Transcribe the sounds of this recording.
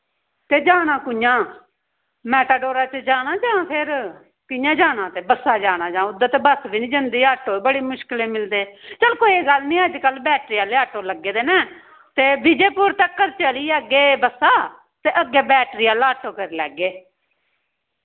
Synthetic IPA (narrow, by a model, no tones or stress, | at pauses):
t̪eːd͡ʒaːnaːkʊjãː | mɛːʈaːɖoːɾaːt͡ʃəd͡ʒaːnaːd͡ʒãːpʰɪɾ | kɪjãːd͡ʒaːnãːt̪eːbəsːaːd͡ʒaːñãːd͡ʒãːʊd̪aːt̪eːbəsbiːnĩːd͡ʒənd̪iːaʈːoːbəɽiːmʊʃkɪleːmɪld̪eːt͡ʃəlkoːieːɡəlnĩːəd͡ʒkəlbɛːʈɾiːaːleːaːʈːoːləɡːeːd̪eːnɛ̃ː | t̪eːbɪd͡ʒeːpʊɾt̪əkːəɾt͡ʃəliːɛːɡeːbəsaː | t̪eːʔəɡːeːbɛːʈɾiːaːlaːʈːoːkəɾlɛ̰ːɡeː